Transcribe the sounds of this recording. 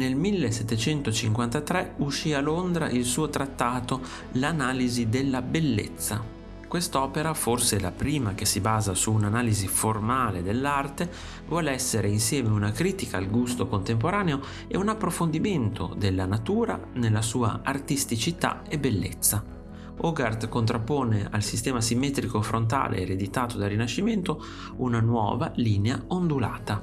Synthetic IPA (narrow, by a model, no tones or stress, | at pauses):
nelmilːesɛt̪ːet͡ʃɛnt̪ot͡ʃiŋkwant̪at̪ɾɛuʃːialond̪ɾa̰ʔilsuːot̪ɾat̪ːaːt̪o | lanaːlizid̪elːabelːḛt̪sːa | kwest̪ɔːpeɾaforselapɾiːmak̟esibaːzasuːnanaːliziformaːled̪elːart̪e | vwɔːleɛsːeɾeinsjɛːmeunakɾiːt̪ikaːlɡust̪okont̪emp̬oɾaːneo | ɛunapːɾofond̪iment̪o̰d̪elːanat̪uːɾa̰ | nelːasuːa̰art̪ist̪it͡ʃit̪a̰ebelːḛt̪sːa | oɡart̪kont̪ɾapːoːnea̰lsist̪ɛːmasimːɛːt̪ɾikofɾont̪a̰ːlʔḛːɾed̪it̪aːt̪od̪arːinaʃːiment̪o | unanwɔ̰ːvaliːneaond̪ula̰ːt̪a